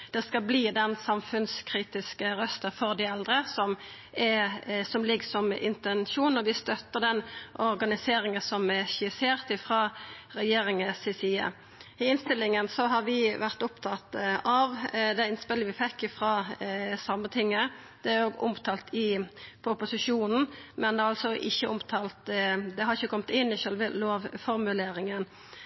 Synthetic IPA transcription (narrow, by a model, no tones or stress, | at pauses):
d̪̥ɛskɑbliːd̪ɛnsɑmfʉnskʰɾiːt̪ɪskəɾœst̪əfɔʁd̪ɪɛld̪ʁəsɔm | ɛsɔmlɪɡsɔmɪ̰nt̪ɛnʃuːnɔʋɪst̪œt̪ːəʁd̪ɛnɔɾɡɑnɪseːɾɪŋənsɔmɛʃɪseːʁt̪ɪfʁɑːɾɛjeːɾɪŋəsɪsiːə̰ | ɪɪnst̪ɪlːɪŋənsɔɦɑʁʋɪʋæʁt̪ʊpt̪ʰɑt̪ɑʋd̪ɛɪnspɪləʋɪfɛkːɪfʁɑːsɑmːət̪ʰɪŋːə | d̪̥ɛæoːɡʊ̰mt̪ʰɑːlt̪ʰɪpʰʊpʊsɪʂuːnn̩mɛnd̪ɛɑlsɔʔɪçːəʊmt̪ʰɑːlt̪d̪ɛhɑɾɪçəkʰɔmt̪ɪnːɪʃœlʋəloːʋfɔɾmʉleːɾɪŋən